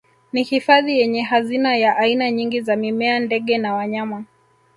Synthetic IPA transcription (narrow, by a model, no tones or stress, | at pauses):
nihifaðijɛɲɛɦazinajaʔainaɲiŋɡizamimɛandɛɠɛnawaɲama